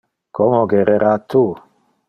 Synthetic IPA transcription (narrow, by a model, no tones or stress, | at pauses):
kʰomoɡeɾeɾat̪ʰːu